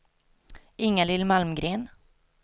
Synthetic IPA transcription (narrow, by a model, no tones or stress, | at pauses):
ʔɪŋːalɪlːmalmɡɾeːn